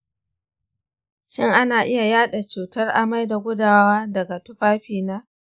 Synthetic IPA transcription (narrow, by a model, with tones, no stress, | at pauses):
ʃɪ˦˨ŋʔa˦naː˨ʔɪ˦ja˨jaː˦ɗa˨t͡ʃuː˨tɐ˦rʔa˨ma˦jda˨ɡʷʊ˦daː˨waː˦dɐ˨ɡa˨tʊ˦ɸaː˦ɸiː˨naː˦